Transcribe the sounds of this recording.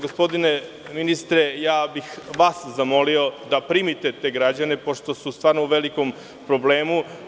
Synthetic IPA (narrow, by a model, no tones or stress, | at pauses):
ɡospo̞d̪ine | minist̪ɾe̞jaːbixʋaːszamo̞lio̞d̪apɾiːmit̪e̞t̪e̞ɡɾad͡ʑane̞po̞ʃt̪o̞sust̪ʋaːɾnouʋe̞liko̞m | pɾo̞ble̞ːmu